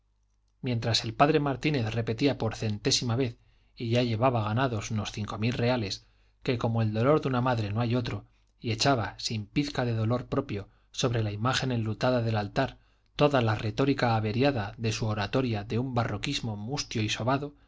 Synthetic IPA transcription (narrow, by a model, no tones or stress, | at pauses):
mje̞nt̪ɾase̞lpaðɾe̞maɾt̪ine̞θre̞pe̞t̪iapo̞ɾθe̞nt̪e̞simaβ̞e̞θ | iʝaʝe̞βaβaɣanaðo̞suno̞sθiŋko̞milre̞ale̞s | ke̞ko̞moe̞ld̪o̞lo̞ɾðunamaðɾe̞no̞ajo̞t̪ɾo̞ | ie̞t͡ʃaβasimpiθkaðe̞ð̞o̞lo̞ɾpɾo̞pjo̞ | so̞βɾe̞laimaχe̞ne̞nlut̪aðaðe̞lalt̪aɾ | t̪o̞ðalare̞t̪o̞ɾikaːβe̞ɾjaðaðe̞suoɾat̪o̞ɾjaðe̞umbaro̞kizmo̞must̪joiso̞βaðo